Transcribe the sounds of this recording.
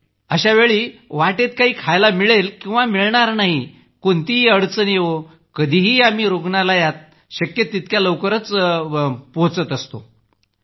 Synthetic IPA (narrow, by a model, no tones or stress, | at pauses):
əɕaʋeɭiːʋaʈet̪kaɦiːkʰajlamiɭelkĩw̃ʋamiɭɳaɾnaɦi | kont̪iɦiːəɽt͡sənjeʋo | kəd̪ʱiɦiːam̤iːɾoɡɳalajat̪̚ | ɕəkjət̪ːit̪kjaləwkəɾət͡s | poɦt͡sət̪əst̪o̰